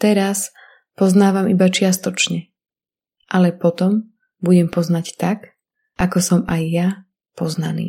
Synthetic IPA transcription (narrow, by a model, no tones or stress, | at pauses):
t̪ɛɾas | pɔznaːʋamibat͡ʃɪast̪ɔt͡ʃɲɛ | ʔalɛpɔt̪ɔm | buɟɛmpɔznact̪ak | ʔakɔsɔmajːa | pɔznanḭː